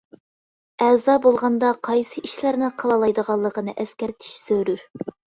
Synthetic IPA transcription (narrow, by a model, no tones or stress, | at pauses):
ɛzɑːbolˠʁɑnd̪ɑqʰɑjsɨiʃlæɾnɪqʰɑlˠɑlˠɑjd̪əʁɑlˠːəqənɨʔɛskʲæɾt̪ʰi̥ʃsøɾy